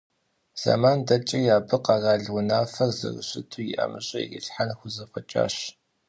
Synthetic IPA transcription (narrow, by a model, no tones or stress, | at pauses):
z̥a̰maːndɐt͡ʃʼɐjaːbɨqɑzaːɮwʊnaːfɐrzɨ̰rɕɪtʰuːjɪʔɐmɨɕʼɐjḭɡɪɬħanxʷʊzɐfʼɐt͡ʃʼa̰ːɕ